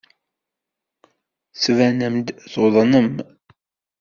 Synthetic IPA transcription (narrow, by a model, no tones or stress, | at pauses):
svænəmd̪ðoðˤnəm